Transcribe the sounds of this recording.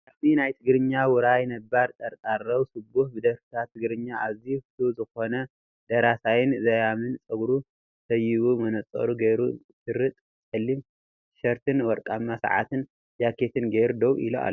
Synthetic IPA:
ʔaft̪ʰinajt̪ʰɨɡɾɨɲːawʊɾajnɐbaɾt̪ʼɐɾt̪ʼarːɐwsɨbuhbɨd̪ɐɾfɨ̥t̪ʰat̪ʰːɨɡɾɨɲːaaβzift̪ʰuzɨxo̞nɐ | d̪̥ɐɾasajɪnzɐjamɨnt͡sʼɐɡɾu | sʰɐjːiβumɐnɐt͡sʼɐ̰ɾuɡɐjɾu | ʃɨɾɨt̪ʼ | t͡sʼɨlːim | ʃɐɾt̪ʰɨnwɔɾkʼamːasa̰ʕa̰t̪ɨn | jakʰet̪ʰɨnɡeɾud̪owʔḭlo̰a̰lːo

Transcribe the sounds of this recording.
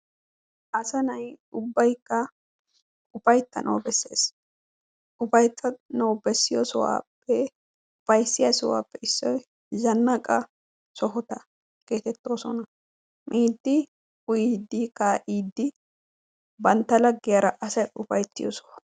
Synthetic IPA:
ʔɐsɐnɐjʊbːɐjkːɐ | ʊfɐjt̪ːɐnʔɔ̰wbɛsːeːs | ʊfɐjt̪ʰːɐnowbɛsːɪjɔsɔwa̰ːpːɛ | ʊfɐjsːɪjɐsɔwa̰ːpːɛɪsːɔj | zɐnːakʼɐ | sɔɦʊt̪ɐ | ɡ̥e̞ːt̪ɛt̪ːoːsɔnɐ | mʔiːd̪ːɪ | ʊjiːd̪ːikaʔiːd̪ːɪ | bɐnt̪ːɐlɐɡːɪjaɾɐʔɐsɐjʊfɐjt̪ːɪjɔ̰sɔwa

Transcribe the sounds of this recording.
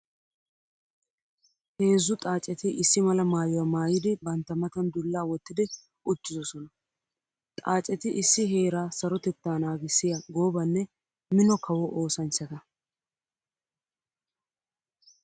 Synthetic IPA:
he̞ːzːʊt̪ʼaːt͡ʃʼɛt̪ɪʔɪsːɪmɐlɐmaːjɔwaːmaːjɪd̪ɪbɐnt̪ːɐmɐt̪ɐnd̪ʊlːaːwɔt̪ːɪd̪ɪ | ʊt͡ʃːɪzɔsɔnɐ | t̪ʼaːt͡ʃʼɛt̪ɪʔɪsːɪɦe̞ːɾaːsɐɾɔt̪ɛt̪ːaːnaːɡɪsːɪjɐɡo̞ːbɐnːɛ | mɪnɔkʰɐwɔʔo̞ːsɐnt͡ʃːɐt̪ɐ

